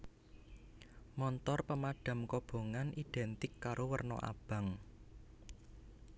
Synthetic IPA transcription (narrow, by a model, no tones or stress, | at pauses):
mɔnt̪ɔrpəmaɖ̥a̤mkɔb̥o̤ŋanʔid̪̥ɛnt̪ɪkːaɾʔowərnɔ̰ʔa̰b̥ä̤ŋ